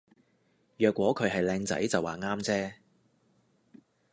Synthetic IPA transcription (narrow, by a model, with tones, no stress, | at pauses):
jœː˨kːwɔː˨˥kʰɵ˨˧ɥɦɐ˨jlɛː˧ŋt͡sɐ̰˨˥jt͡sɐ˨wːaː˨˩ŋaː˥mt͡sɛː˥